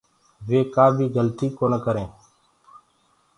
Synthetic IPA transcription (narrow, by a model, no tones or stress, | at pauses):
ʋeːkaːbʱiːɡəlt̪iːkoːnekəɾẽː